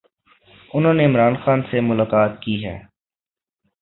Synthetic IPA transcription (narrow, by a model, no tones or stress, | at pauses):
ʊnɦõːneɪmɾaːnxaːnsemʊlaːkaːt̪̚kiɦɛ̰ː